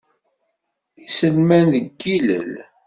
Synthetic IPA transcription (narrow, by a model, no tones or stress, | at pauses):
isəlmænðəɡːilə̰l